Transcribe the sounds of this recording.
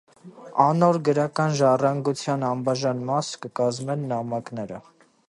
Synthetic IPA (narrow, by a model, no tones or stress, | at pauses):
ɑnɔɾɡəɾɑkɑnʒɑrɑŋɡut͡sʰjɑnɑmbɑʒɑnmɑskəkɑzmɛnːɑmɑkn̪ɛɾə